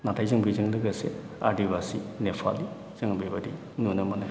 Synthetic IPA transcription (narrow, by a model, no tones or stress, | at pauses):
natʰajzɯŋbizɯŋdɯɡɐsḛ | a̰ɾdibasinepʰa̰li | z̥ɯŋbibadi | nunɯmana